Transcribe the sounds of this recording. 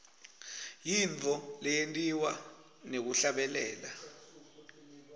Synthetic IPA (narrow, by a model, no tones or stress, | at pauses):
jiɱt͡fɔlɛjentʼiwa | nek̬uɬaɓɛlɛːla